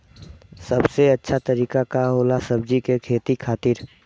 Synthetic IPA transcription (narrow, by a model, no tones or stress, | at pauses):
səbseətːʃʰat̪əɾiːkakaɦoːlasəb̚d͡ʒikekʰeːt̪ikʰaːt̪ɪɾ